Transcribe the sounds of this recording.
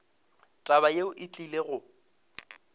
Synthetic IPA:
tʼaβajeʊʔɪt͡ɬʼileɣʊ

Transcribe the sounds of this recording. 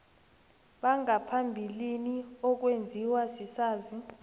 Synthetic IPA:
ɓaŋapʰambʱiliniɔk̬wend͡zʱiwasisaːzi

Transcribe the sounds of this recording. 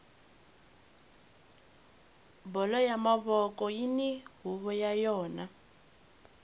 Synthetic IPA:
bɔlɔjamaβɔkɔjiniɦuβɔjajɔːna

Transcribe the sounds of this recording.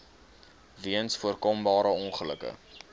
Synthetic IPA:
viənsfuərkɔmbɑːɾəɔnχələ̰kə̰

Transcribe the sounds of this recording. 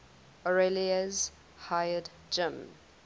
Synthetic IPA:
ɔɹeliəz | hajəd | d͡ʒɪ̃m

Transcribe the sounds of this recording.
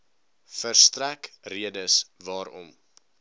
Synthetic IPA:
fərstrækriədəsvɑːɾɔ̰m

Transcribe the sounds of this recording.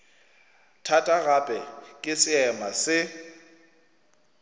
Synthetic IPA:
tʰatʼaɣapʼɛkʼɪsɪɛmasɪ

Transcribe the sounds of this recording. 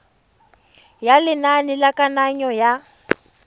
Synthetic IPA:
jalɪnanɪlakʼanaɲɔja

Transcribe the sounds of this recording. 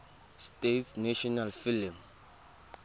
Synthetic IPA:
stetsnaʃɔnalfilim

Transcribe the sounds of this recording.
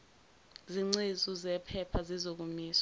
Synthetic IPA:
ziŋ͡ǀizuzɛpʰɛpʰazizok̬umiːsa

